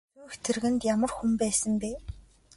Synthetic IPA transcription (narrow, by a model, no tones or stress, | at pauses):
uːxt̪ʰĕrɣɘ̆nt̪jamə̆rxumpæːsə̆mpeː